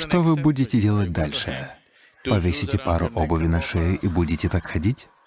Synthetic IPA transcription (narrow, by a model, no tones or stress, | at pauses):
ʂt̪ovɨbudʲɪtʲɪdʲe̞lˠət̚ʲd̪alʲʂɨ̰ | pɐvʲesʲɪtʲɪpaɾʊ̰ʔobəvʲɪnaʂɛjɪʔibudʲɪtʲɪt̪akxɐdʲitʲ